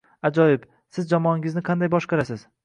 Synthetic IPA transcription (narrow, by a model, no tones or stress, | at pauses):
ad͡ʒɒjɪb | sɪzd͡ʒɒmɒɒnɪɡʲɪznɪqʰɑnd̪ajbɒʃqɑɾasɪz